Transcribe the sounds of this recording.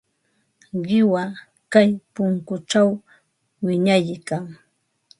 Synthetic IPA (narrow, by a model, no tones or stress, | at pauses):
ɢɪwa | kajpʊŋkʊʈ͡ʂaw | wɪɲajkaŋ